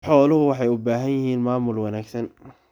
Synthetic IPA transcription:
ħɔːlʊɦʊwɑħɑjʊbaːɦɐnjɪɦiːnmaːmʊlwɐnaːɡsɐn

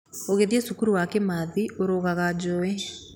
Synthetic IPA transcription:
oɣeðiesukuɾuwakɛmaðioɾoɣaɣad͡ʑɔɛ

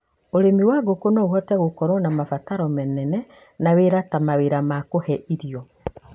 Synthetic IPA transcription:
oɾemiwaɣokonɔoɣɔtɛɣokɔɾɔnamafataɾɔmɛnɛnɛ | naweɾatamaweɾamakohɛʔiɾiɔ

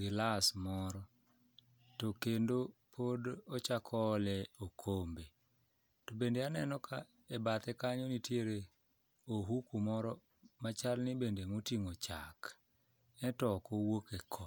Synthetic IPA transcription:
ɡɪlasmɔɾɔ | tokendopʰodɔt͡ʃakʰɔlɛokʰombe | tobendeanɛnɔka | ebat̪ɛkaɲonitjeɾe | oɦukumɔɾɔ | mat͡ʃalnɪbendemotiŋot͡ʃak | ɛtɔkowokekʰɔ

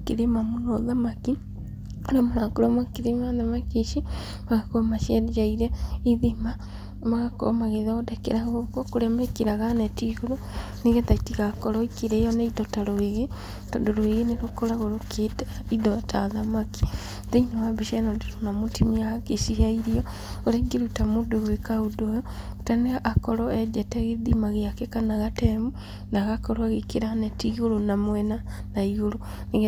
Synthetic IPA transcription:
keɾemamunoðamaki | ɾamoɾakoɾomakeɾemanðamakeʃi | maɣakomaʃɛɾid͡ʒaiɾɛiðima | maɣako̰maɣeðaodekḛɾaɣɣokwokoɾɛmɛkeɾaɣanetiɣoɾo | neɣetatiɣakoɾoikiɾɛjoneiðotaɾoeɣe | to̰ndoɾoeɣeneɾokoɾaɣoɾokʰetaiðotaðamaki̥ | ðeinowabiʃanodiɾonamotimiakeʃihaiɾiɔ | oɾeɡeɾutamodoɣwekaudojɔtaneaʔakɔɾɔed͡ʒɛtɛɣeðimaɣeakekanaɣatemu | naɣakɔɾɔaɣekeɾaanetiɣoɾonamwɛnanaiɣoɾo | niɣ

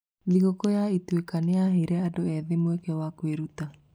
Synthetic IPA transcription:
miɣokɔjaitwekaneaɦeɾɛadoɛðemwɛkɛwakweɾuta

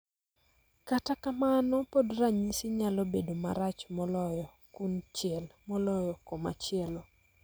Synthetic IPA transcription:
katakamanɔpodraɲisɪɲalɔbedoma̰ɾat͡ʃmɔlɔjɔ | kunt͡ʃɪɛlmɔlɔjɔkoma̰t͡ʃɪɛlɔ

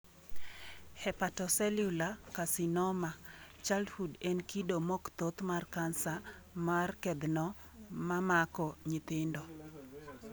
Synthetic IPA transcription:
hɛpatɔsɛlulakasɪnɔmat͡ʃalhudɛnkidomɔkt̪ot̪markansa | markɛd̪nɔ | mamakɔɲɪt̪ɪndɔ

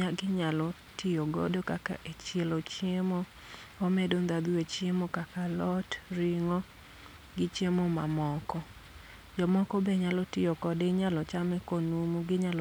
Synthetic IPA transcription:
aɡɪɲalɔ | tɪjoɡo̰dokaka̰ʔet͡ʃelot͡ʃjemo | omɛdond̪ad̪uet͡ʃemokakalɔtɾɪŋɔ | ɡɪt͡ʃemoma̰mɔkɔ | d͡ʒɔmɔkɔbɛɲalɔtɪjokɔdeɲalɔt͡ʃamɛkonumuɡɪɲal

